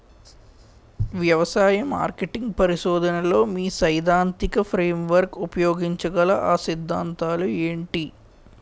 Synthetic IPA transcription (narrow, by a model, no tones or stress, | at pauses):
ʋjɐʋɐsaːjɐma̰ːɾkeʈiŋɡ̚pɐɾiʃɔːd̪ɐnɐlo̞ːmiːsɐjd̪aːnt̪ikɐpʰɾeːmʋɐɾkupɐjoːɡiɲt͡ʃɐɡɐlɐʔaːsid̪ʱːaːnt̪aːlueːɳʈi